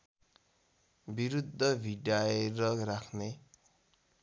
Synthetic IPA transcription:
biɾud̪ʱːʌbʱiɖaeɾʌrakʰne

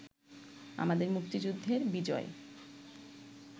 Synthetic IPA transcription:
a̰mad̪eɾmukt̪id͡ʑud̪ʱːeɾbid͡ʑɔ̰e

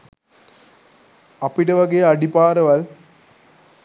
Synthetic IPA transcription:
ɐpiʈɐʋɐɡejɐɖipaːɾɐʋɐl

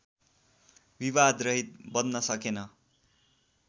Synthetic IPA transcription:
biβad̪rʌɦit̪̚bʌnːʌsʌkenʌ

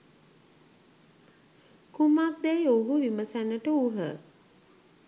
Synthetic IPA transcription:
kumak̚d̪ɛjoɦuʋiməsænəʈəuɦə

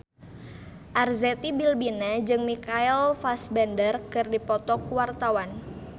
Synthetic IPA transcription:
ʔarzɛt̪ibilbinad͡ʒɨŋmikailfasbɛndərkɨrdipɔt̪ɔkuwart̪awan

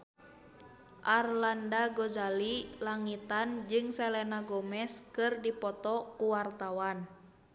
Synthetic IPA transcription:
ʔarlandaɡɔzalilaŋit̪and͡ʒɨŋsɛlɛnaɡɔmɛskɨrdipɔt̪ɔkuwart̪awan

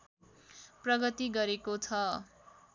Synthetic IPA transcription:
prʌɡʌt̪iɡʌɾekot͡sʰʌ

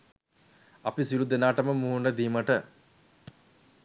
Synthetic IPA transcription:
apisilud̪enaːʈəməmuːuɳɖəd̪iːməʈə

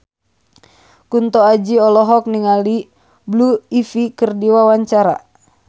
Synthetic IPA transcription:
kunt̪ɔad͡ʒiɔlɔɦɔk̚niŋali | bluifikɨrdiwawaɲt͡ʃaɾa̰

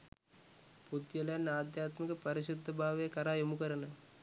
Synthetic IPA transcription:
pud̪jɐlɐjɐnːaːd̪jaːt̪mikɐpɐɾiʃud̪ʱːɐbʱaːʋejɐkɐɾaːjumukɐɾɐnɐ

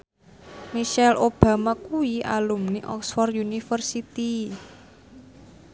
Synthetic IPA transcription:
miʃɛlʔob̥a̤makuiʔa̰lumniʔɔksfɔrjunifərsit̪i

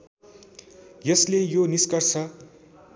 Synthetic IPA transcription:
jʌslejoniskʌrsʰʌ

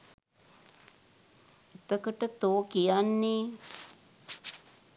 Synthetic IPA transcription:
et̪əkəʈət̪oːkijanːeː

